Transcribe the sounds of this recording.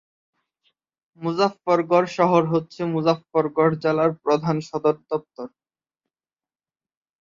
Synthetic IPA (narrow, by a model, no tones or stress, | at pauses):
muzafːɔɾɡɔɾʃɔɦoɾɦotːɕʰemud͡ʑafːɔɾɡɔɾd͡ʑalaɾpɾod̪ʱanʃɔd̪oɾd̪ɔp̚t̪oɾ